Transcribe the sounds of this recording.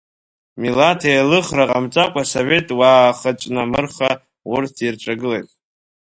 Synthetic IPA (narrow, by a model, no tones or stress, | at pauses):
milatʰejlɨχraqʼamt͡sʼakʷʼasove̞tʼwaːχat͡ʃʼnamɨrχa | wʊrtʰirʈ͡ʂʷʼaɡɨlejtʼ